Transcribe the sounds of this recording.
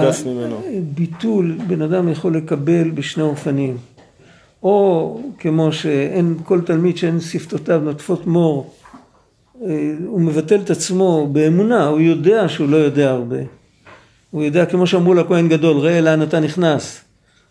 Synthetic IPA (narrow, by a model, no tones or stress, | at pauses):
aimenbitulbe̞nadamjaχo̞lːe̞kabe̞lbeʃne̞o̞fanim | o̞ke̞mo̞ʃe̞enko̞ltalmidʃeensiftotavnotfo̞tmo̞ʁ | ume̞vate̞let̪at͡smo̞be̞ːmunaujo̞de̞aʃeulo̞jo̞de̞aːʁbe̞̰ | ujo̞deake̞mo̞ʃeamʁulakoenɡado̞lʁeeleanataniχnas